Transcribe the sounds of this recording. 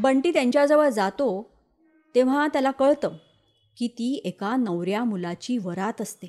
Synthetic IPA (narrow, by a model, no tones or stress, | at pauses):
bəɳʈiːt̪jãɲt͡ɕjad͡zəʋəɾd͡zat̪o | t̪eʋ̤at̪jalakəɭt̪ə | kiːt̪iːekanəʋɾjamulat͡ɕiːʋəɾat̪əst̪e